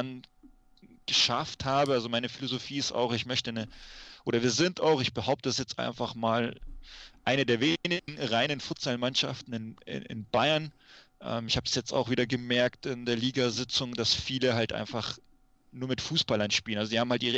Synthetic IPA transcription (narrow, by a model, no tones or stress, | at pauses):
n | ɡ̥əʃafthaːbəʔalzomaɪnəfilozofiːɪsta̰ʊxɪçmœçtənəʔoːɾɐviːɐzɪntaʊxɪçb̥əɦaʊp̚tədasjɛt͡stʔa̰ɪnfaχmaːl | ʔaɪnədeːɐveːnɪŋ̩ʁaɪnənfʊɐtsalmanʃa̰ftn̩ɪnɪ̰ɪ̰nb̥aɪɐnʔɛ̰ːmɪçhaːbəd̥sjɛt͡sta̰ʊxviːdɐɡəmɛɐktɪndeːɐliːɡazɪt͡sʊŋdasfiːləɦaltʔa̰ɪnfaχ | nuːɐmɪtfuːsb̥alɐnʃpiːlənʔalzozihaːmhaltʔiːʁə